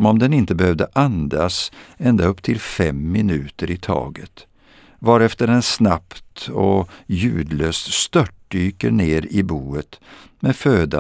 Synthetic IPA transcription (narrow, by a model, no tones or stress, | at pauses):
ɔmɔmd̪ɛnɪnt̪əbɛhœvd̪əʔand̪asɛnd̪aɵpːt̪ʰɪlfɛmːɪnʉ̟ːt̪əɾɪt̪ʰɑ̰ːɡət̪ | vɑɾɛft̪əɾɛnsnapt̪ɔjʉ̟ːd̪løːst̪st̪œʈ̚ɖyːkəɳeːɾɪbuːət̪ | mɛføːd̪a